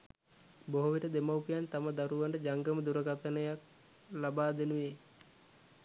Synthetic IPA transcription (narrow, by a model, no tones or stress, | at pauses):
boɦuʋiʈəd̪emawkijant̪aməd̪aɾuʋaɳɖəd͡ʒaŋɡəməd̪uɾəɡat̪ənəjak̚ | labaːd̪enuʋe